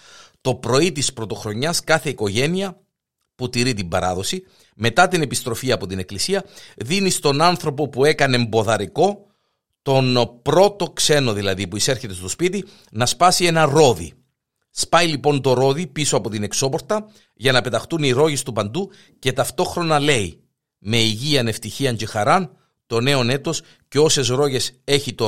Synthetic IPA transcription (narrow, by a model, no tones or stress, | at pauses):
t̪o̞pɾo̞it̪ispɾo̞t̪o̞xɾo̞ɲɐskɐθe̞iko̞ʝe̞niɐ | put̪iɾit̪imbɐɾɐ̰ðo̞si | me̞t̪ɐt̪ine̞pist̪ɾo̞fiɐːpo̞t̪ine̞klisiɐðinist̪o̞nɐnθɾo̞po̞pue̞kɐneːmbo̞ðɐɾiko̞ | t̪o̞npɾo̞t̪o̞kse̞no̞ðilɐðipuise̞ɾçe̞t̪e̞st̪o̞spit̪i | nɐspɐsie̞nɐɾo̞ðḭ | spɐjlipo̞nt̪o̞ɾo̞ðipiso̞ɐpo̞t̪ine̞kso̞po̞ɾt̪ɐ | ʝɐnɐpe̞t̪ɐxt̪uniɾo̞ʝe̞st̪upɐnd̪u | ce̞t̪ɐft̪o̞xɾo̞nɐle̞i | me̞iʝiɐne̞ft̪içiɐɲce̞xɐɾɐn | t̪o̞ne̞o̞ne̞t̪o̞s | ce̞o̞se̞zɾo̞ʝe̞se̞çit̪o